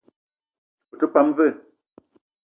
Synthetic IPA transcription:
o˨tə˦pa˨˦mvə˦˨

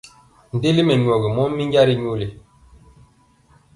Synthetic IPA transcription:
n̩˨de˦li˦mɛ˨ɲwɔ˨ɣi˨mɔ˦mː˦i˦ŋɡa˦ɾi˦ɲo˦li˨

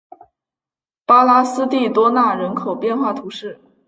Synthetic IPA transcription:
pa˥la˥sɹ̩˥t̪i˥˩t̪wɔ˥na˥˩ɻə˧˥nkʰo˨˩ʊpjɛ˥˧nxwa˥˩t̪ʰu˧˥ʂɻ̩˥˩

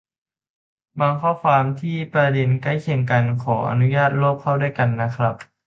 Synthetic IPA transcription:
baː˧ŋkʰɔː˥˩kʰwaː˧mt̪ʰiː˥˩pɾa˧de˧nka˥˩jkʰe˧˩ŋka˧nkʰɔː˩˦ʔa̰˧nu˦˥jaː˥˩t̪̚loː˥˩p̚kʰːa˥˩wda˥˩˨jka˧nːa˦˥kʰɾa˦˥p̚

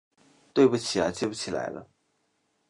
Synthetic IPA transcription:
t̪we˥˩ɪpu˨˩t͡ɕʰi˨˩a̰˧t͡ɕjɛ˥˩pu˥˩t͡ɕʰi˨˩la̰˧˥ɪlə̰˦

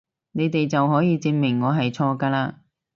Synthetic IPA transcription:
ne˨˧jt̪e˨jt͡sɐ˨wɦɔː˨˥jiː˨˧t͡siː˧nmɪ˨˩ŋːɔː˨˧ɦɐ˨jt͡sʰɔː˧kaː˧laː˧

